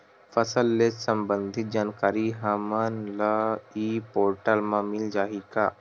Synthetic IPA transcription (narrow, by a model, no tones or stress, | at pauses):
fəsəlːet̪səmbənd̪ʱit̪̚d͡ʒaːnkaːɾiɦamənləipoːɾʈalmãmild͡ʒaːɦika